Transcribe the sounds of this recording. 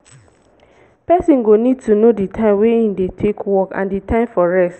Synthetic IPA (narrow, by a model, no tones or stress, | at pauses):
pɛsĩnɡonid̚tʰunoditʰãɪ̃mweĩndetʰekʰwɔkã̰nditʰãɪ̃mfɔɹɛst